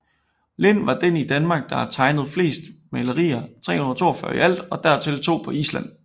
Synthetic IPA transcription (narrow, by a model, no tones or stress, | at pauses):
le̝nʋɑ̈d̥enid̥ænmɑ̈ːɡ̥̚d̥ɑ̈hæt͡sʰɑ̈ɪnəð̞̩ˠfle̝̰ːsd̥mæləʁḭːɐt͡sʰʁɛ̰ːhunɐt͡sʰo̝ːɐfɶɐiʔæl̰d̥ɒ̽d̥æɐt͡sʰe̝lt͡sʰo̝̰ːpʰɒ̽iːslæn̰